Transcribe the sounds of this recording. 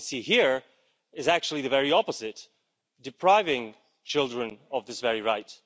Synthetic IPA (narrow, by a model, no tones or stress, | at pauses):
sihiɹ | ɨzæk̚t͡ʃʉl̩ˠiðɨvɛɹiɑpəzɪt | d̥ɨpʰɹ̥aɪvɪ̃ŋ | t͡ʃʰɪlˠdɹɨ̃nʌvðɪsvɛɹiɹaɪt